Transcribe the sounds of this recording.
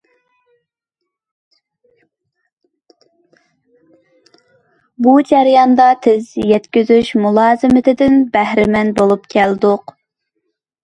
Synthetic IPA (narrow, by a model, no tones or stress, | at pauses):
bud͡ʒɛɾjɑnd̪ɑt̪ʰɪzjɛt̪kʲyzyʃmulˠɑːzɨmɪt̪ʰɪd̪ɪnbæhɾɪmɛnbolˠupkʲʰɛld̪ʊq